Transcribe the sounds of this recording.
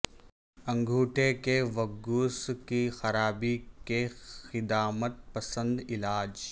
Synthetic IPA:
ɐ̃ŋɡʱuːʈʰekeʋɐɡuːskixɐɾaːbikexɪd̪aːmət̪̚pɐsə̃nd̪ɪlaːd͡ʒ

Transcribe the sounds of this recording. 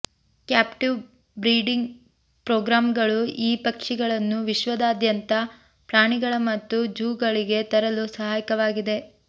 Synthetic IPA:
kjaːpʈiʋ | bɾiːɖiŋɡ | pɾoːɡɾaːmɡɐɭuʔiːpɐkʂiɡɐɭɐnːuʋiʃʋɐd̪aːd̪jɐnt̪ɐ | pɾaːɳiɡɐɭɐmɐt̪ːud͡ʒuːɡɐɭiɡe̞t̪ɐɾɐlusɐɦaːjkɐʋaːɡid̪e̞

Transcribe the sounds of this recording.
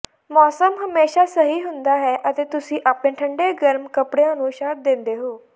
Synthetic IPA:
mɔːsəmɦəmeːʃaːsəɦiːɦʊnd̪aːɦɛːʔət̪eːt̪ʊsĩːʔaːpɽeːʈʰəɳɖeːɡəɾmkəpɽejãːnũːʃaːt̪̚d̪ẽːnd̪eːɦoː

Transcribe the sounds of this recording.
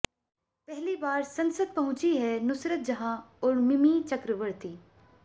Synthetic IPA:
pɛɦlibaːɾsɐ̃nsəd̪̚pɐɦʊ̃t͡ʃiɦɛnʊsɾət̪̚d͡ʒɐɦãɔːɾmɪmit͡ʃɐkɾəʋəɾt̪iː

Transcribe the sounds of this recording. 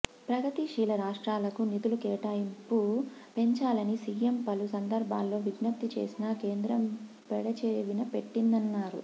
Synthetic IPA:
pɾɐɡɐt̪iʃiːlɐɾaːʂʈɾaːlɐkunit̪ulukeːʈaːjimpupe̞ɲt͡ʃaːlɐnisiːempɐlusɐnd̪ɐɾbʱa̰ːlːo̞ːʋiɡnɐp̚t̪it͡ʃe̞̰ːsinɐke̞ːnd̪ɾɐm | pɛɽɐt͡ʃeːʋinɐpe̞ʈːind̪ɐnːaːɾṵ

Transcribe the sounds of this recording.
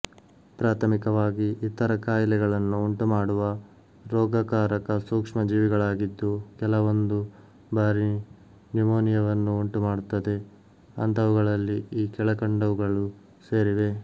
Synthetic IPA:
pɾaːt̪ʰɐmikɐʋaːɡiit̪ːɐɾɐkaːjlɛɡɐɭɐnːuːɳʈumaːɽuʋɐ | ɾɔːɡɐkaːɾɐkɐsuːkʂmɐd͡ʒiːʋiɡɐɭaːɡid̪ːukɛlɐʋond̪u | baːɾi | nimoːnijɐʋɐnːuuɳʈumaːɽut̪ːɐd̪e̞ | ɐ̰nt̪ɐʋuɡɐɭɐlːiiːkɛɭɐkɐɳɖɐʋuɡɐɭu | se̞ːɾiʋe̞

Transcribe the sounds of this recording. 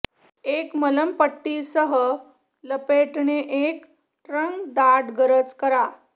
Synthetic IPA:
ekmələmpəʈːisəɦə | ləpeʈɳeʔek | ʈɾəŋɡd̪aʈɡəɾət͡skəɾa

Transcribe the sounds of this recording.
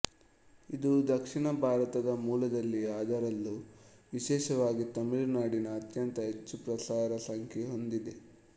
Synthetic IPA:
id̪ud̪ɐkʂiɳɐbʱaːɾɐt̪ɐd̪ɐmuːlɐd̪ɐlːiaːd̪ɐɾɐlːuʋiʃɛːʃɐʋaːɡit̪ɐmiɭnaːɽinɐːt̪jɐnt̪ɐɦet͡ʃːupɾɐsaːɾɐsɐŋkʰeɦond̪id̪e

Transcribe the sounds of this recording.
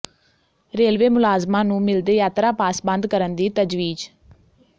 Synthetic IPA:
ɾeːlʋeːmʊlaːzmãːnũːmɪld̪eːjaːt̪ɾaːpaːsbə̃nd̪kəɾənd̪iːt̪əd͡ʒʋiːd͡ʒ

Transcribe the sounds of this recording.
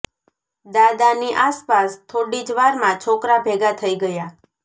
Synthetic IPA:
d̪ad̪aniʔaspast̪ʰoɽid͡ʒʋaɾmãt͡ʃʰokɾabʱeɡat̪ʰəiɡəja

